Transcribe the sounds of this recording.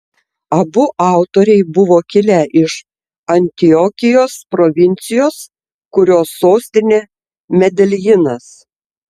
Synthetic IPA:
ɐbʊʔɑˑʊt̪oːɾʲɛɪbʊʋoːkʲɪlʲɛʔɪʃ | ɐnʲt̪ʲɪjɔkʲɪjoːspɾɔʋʲɪnʲt̪sʲɪjoːs | kʊɾʲoːsːoːsʲt̪ʲɪnʲeː | mʲɛd̪ʲɛlʲjɪnɐs

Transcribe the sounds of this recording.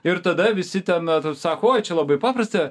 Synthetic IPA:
ɪɾt̪ɐd̪ɐʋʲɪsʲɪt̪ʲɛnɐt̪ːsɑːkoːjt͡ʃʲɛlˠɐbɐɪpɑːpɾɐsʲt̪ɐ

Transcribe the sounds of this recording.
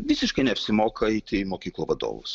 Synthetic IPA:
ʋʲɪsʲɪʃkɐɪnʲɛɐpʲsʲɪmoːkʰɐit̪ʲɪmoːkʲiːklˠoːʋɐd̪o̰ːʋʊ̰s

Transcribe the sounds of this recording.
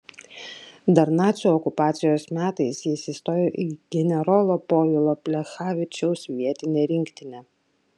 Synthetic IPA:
d̪ɐɾnɑːt̪sʲuːɔkʊpɑːt̪sʲɪjoːsmʲæːt̪ɐɪsjɪsʲiːst̪oːjoʔiɡ̥ʲɛnʲɛɾɔːlˠoːpoːjɪlˠoːpʲlʲɛxaːʋʲɪt͡ʃʲɛʊsʋʲiɛt̪ʲɪnʲeːɾʲɪŋʲkt̪ʲɪnʲɛ

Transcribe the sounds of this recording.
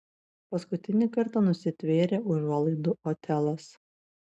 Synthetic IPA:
pɐskʊt̪ʲɪnʲɪkɐɾt̪ɑnʊsʲɪt̪ʲʋʲeːɾʲeːʔʊʒʲuɔlˠɐɪd̪ʊʔoːt̪ʲɛlˠɐs

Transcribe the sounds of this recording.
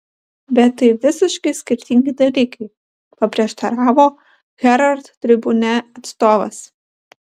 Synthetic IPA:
bʲɛt̪ːɐɪʋʲɪsʲɪʃkɐɪsʲkʲɪɾʲt̪ʲɪŋʲɡʲɪd̪ɐlʲiːkɐɪ | pɐpʲɾʲiɛʃt̪ɐɾɑːʋoː | ɣʲɛɾɐɾt̪t̪ʲːɾʲɪbʊnʲɛɐt̪st̪oːʋɐ̰s

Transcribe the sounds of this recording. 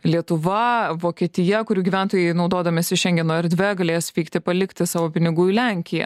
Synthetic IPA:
lʲiɛt̪ʊʋɐʋoːkʲiɛt̪ʲɪjɛkʊɾʲuːɡʲiːʋʲæˑnt̪oːjɛɪnɒʊd̪oːd̪ɐmʲeːsʲɪʃʲɛŋʲɡʲɛnoːɛɾʲd̪ʲʋʲɛɡɐlʲeːjsʋʲiːkt̪ʲɪpɐlʲɪkt̪ʲɪsɑːʋoːpʲɪnʲɪɡuːɪlʲæŋʲkʲɪjɛ̰

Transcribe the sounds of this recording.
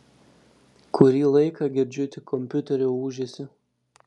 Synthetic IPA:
kʰʊɾʲiːlˠɐɪkʰɐɡʲɪɾʲd͡ʒʲʊt̪ʲɪkʰɔmʲpʲʊt̪ʲɛɾʲouːʒʲesʲɪ

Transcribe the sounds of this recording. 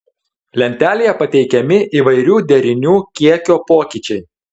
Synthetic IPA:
lʲɛnʲt̪ʲæːlʲejɛpɐt̪ʲɛɪkʲɛmʲɪʔiːʋɐɪɾʲuːd̪ʲɛɾʲɪnʲuːkʲiɛkʲoːpoːkʲit͡ʃʲɛɪ

